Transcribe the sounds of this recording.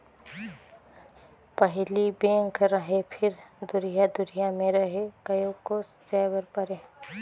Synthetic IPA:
pəɦlibẽːŋkɾəɦepʰɪɾd̪ʊɾijad̪ʊɾijamẽɾəɦekɐjokosd͡ʒaːbəɾpəɾeː

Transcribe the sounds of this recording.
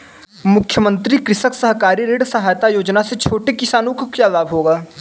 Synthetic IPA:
mʊkʰjəmə̃nt̪ɾikɾɪʃəksəɦkaːɾiɾeːɖsəɦaːjt̪ajoːd͡ʒnaset͡ʃʰoːʈekɪsaːnukkjalaːbɦoːɡaː

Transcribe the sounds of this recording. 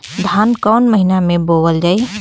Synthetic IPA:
d̪ʱaːnkɔːnməɦinamẽbowəld͡ʒaːi

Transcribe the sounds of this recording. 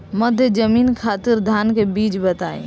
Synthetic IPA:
mɐd̪ʱjəd͡ʒəmiːnkʰaːt̪ɪɾd̪ʱaːnkebiːt͡ʃbət̪aːḛ̃

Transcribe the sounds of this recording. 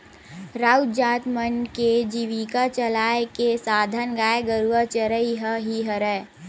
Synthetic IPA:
ɾaːʊd͡ʒaːt̪mənked͡ʒiʋikat͡ʃəlaːekesaːd̪ʱənɡaːeɡəɾuət͡ʃəɾəiɦəɦiɦəɾɛː

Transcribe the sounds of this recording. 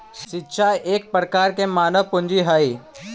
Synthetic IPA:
ʃitːʃʰaeːk̚pɾəkaːɾkemaːnəʋpʊ̃nd͡ʒiɦai

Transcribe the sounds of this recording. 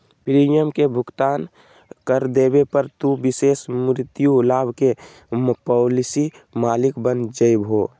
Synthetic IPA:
pɾijəmkebʱʊkt̪aːn | kəɾd̪eːbepəɾt̪ubɪseːsmɾɪt̪julaːbʱke | pɔːlɪsi | maːlɪkbənd͡ʒəibʱoː

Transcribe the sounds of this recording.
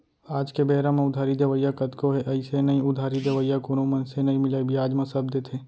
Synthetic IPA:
aːd͡ʒkebɛːɾãmẽʊd̪ʱaːɾid̪eʋəjakɐt̪koɦeʔɐɪsenɐĩʊd̪ʱaːɾid̪eʋəijakoːnomɐnsenɐĩmɪlaːibʱiaːd͡ʒmãsɐb̚d̪eːt̪ʰeː

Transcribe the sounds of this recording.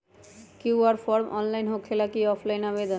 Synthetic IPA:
kiwaɾfɔɾmʔɔ̰nlajnɦokʰːelakiɔpʰlajnaβbed̪on

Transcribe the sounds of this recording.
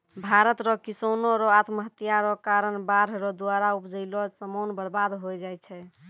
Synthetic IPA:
bʱaɾət̪ɾɔkisonɔɾɔat̪məɦət̪ijaɾɔkaɾənbaɾɾɔd̪aɾaupd͡ʒəɪlɔsəmonbəɾbad̪ɦojd͡ʒajt͡ʃʰɛ

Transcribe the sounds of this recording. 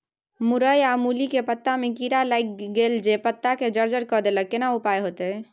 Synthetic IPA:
muɾəjamulikepət̪ːamekiɾalajk̚ɡeld͡ʒepət̪ːaked͡ʒəɾd͡ʒəɾkɔd̪eləkːenaupajɦot̪ɛ

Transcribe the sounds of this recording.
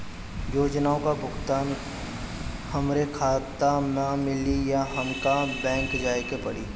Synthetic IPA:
joːd͡ʒnaːõkabʱʊkʰt̪aːn | hɐmɾekʰaːt̪amãmɪlijaɦɐmkabɛ̃ːŋkd͡ʒaːjkepɐɽiː

